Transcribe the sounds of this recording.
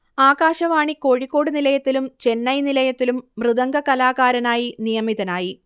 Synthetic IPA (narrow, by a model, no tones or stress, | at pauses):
aːɣaːɕɐʋaːɳiko̞ːɻikːo̞ːɽɨnilɐjɐt̪ːilumt͡ɕe̞nːɐjnilɐjɐt̪ːilumːrɨðɐŋɡɐkɐlaːɣaːɾɐnaːjinijɐmiðɐnaːji